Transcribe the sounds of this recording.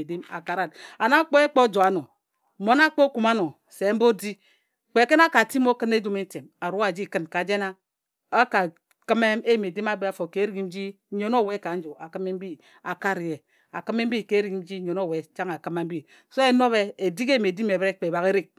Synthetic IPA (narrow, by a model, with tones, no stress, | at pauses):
di˦ma̰˨ka˨ɾa˦˨da˨na˦k͡po˦e˦k͡po˦d͡ʒo˨a˦no˨ | mo˦na˦k͡po˦ku˨ma˦no˨ | se˨˦m̩˦bo˦di˦ | k͡pe˨˦ke˦na˦ka˨ti˦mo˦kɨ˦ne˦d͡ʒu˦me˦n̩˦te˨ma˨ɾu˦a˦˨d͡ʒi˦˨kɨ˦nka˨d͡ʒe˦na˦ | a˦ka˨ | kɨ˦me˦e˦ji˨me˨di˦ma˦be˦a˨fo˨ke˨˦ɾi˦i˦m̩˦d͡ʒi˦ | ɲo˦no˦˨we˦ka˨˦n̩˦d͡ʒo˨a˨kɨ˦me˦m̩˦bi˦ | a˨ka˦ɾi˨e˨ | a̰˨kɨ˦me˦m̩˦bi˦˨ke˦ɾi˨ki˦m̩˦d͡ʒi˦ɲo˨no˦˨we˨˦˨t͡ʃa˦ŋa˨kɨ˦ma˨˦m̩˦bi˦ | so˦e˦no˦βe˦e˨di˦ke˦ji˨me˨di˦me˨bɾe˦k͡pe˨ba˨ɣe˦ɾi˦k̚